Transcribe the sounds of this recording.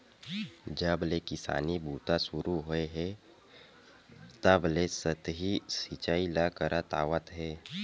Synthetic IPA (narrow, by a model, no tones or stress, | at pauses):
d͡ʒəblekɪsa̰ːnibʱuːt̪asuɾuɦoeɦe | t̪əblesət̪ɦisit͡ʃailakəɾat̪a̰ʋət̪ɦe